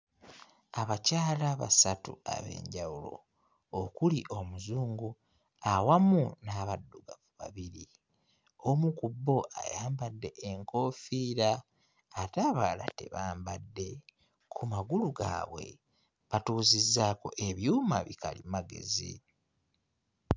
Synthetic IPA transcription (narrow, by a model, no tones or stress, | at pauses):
aβacaːlaβa̰satṵa̰βe̞̰ːɲɟawulo̞̰ | okuliʔo̞muzuːŋɡu | awamunaβadːuɡavuβaβiɾi | omukubːo̞ʔa̰jaːmbadːe̞ʔeŋko̞ːfiːɾaː | taβaːla̰te̞̰βaːmbadːe̞ | kʰumaɡuluɡa̰βwe̞̰ | βatuːzizːaːko̞ʔe̞βjuːma̰βikalimaɡe̞̰zḭ